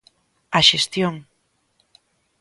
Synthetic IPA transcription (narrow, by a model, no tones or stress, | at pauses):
aʃest̪joŋ